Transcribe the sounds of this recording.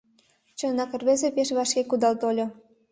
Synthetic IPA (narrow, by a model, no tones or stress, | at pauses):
t͡ɕɤ̆nɑkə̆rβezepeʃβɑʃkekud̪ɑlt̪olʲo